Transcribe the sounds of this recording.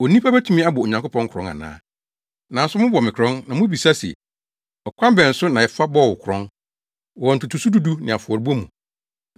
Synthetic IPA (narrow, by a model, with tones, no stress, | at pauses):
o˨nĩ˦pʰa˦bæ˦tʰu˦mĩ˦a˦bʊ˨ɔ˨ɲã˨ŋkʊ˦pʰɔ̃˦ŋ̩˦kʰɾɔ̃˦ŋã̰˨nã̰ː˦ | nã˨n̩˦sʊ˦mʊ̃˦bɔ˨mɪ̃˨kʰɾɔ̃˦nnã˨mʊ̃˦bi˨sa˦sɛ̰˨ | ɔ˨kʰʷã˦mbɛ̃˨n̩˨sʊ˦nã˨ɛ˨fa˦bɔ˦˨wʊ˨kʰʊ˨ɾɔ̰̃˦n | ɔ˨ɔ̃˨n̩˨tʰu˨tʰu˨su˦du˦du˦nɪ̃˨a˨fʊ˨ɔ˨ɾi˨ba˦mũ˨